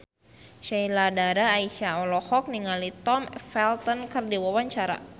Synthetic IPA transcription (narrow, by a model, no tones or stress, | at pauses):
ʃɛiladaɾaːiʃaɔlɔhɔk̚niŋalit̪ɔmfɛlt̪ɔnkərdiwawaɲt͡ʃaɾa̰